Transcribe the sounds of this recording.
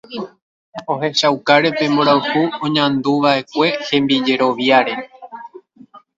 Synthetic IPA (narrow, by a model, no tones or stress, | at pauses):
o̞ɦe̞ʃawkaɾe̞pe̞mboɾawhuõɲãnd̪uʋaʔe̞kʷe̞hẽ̞mbid͡ʒe̞ɾo̞ʋjaɾe̞